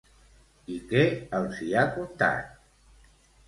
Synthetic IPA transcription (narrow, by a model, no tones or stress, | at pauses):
ikɛəlsiakunt̪a̰t̪̚